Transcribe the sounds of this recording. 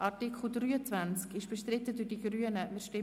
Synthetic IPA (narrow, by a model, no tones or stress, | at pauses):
ʔɑtikχl̩dryːət͡svænt͡skɪʃb̥ɛʃtɾɪt̪ədydiɡɾyənəmɪʃtɪ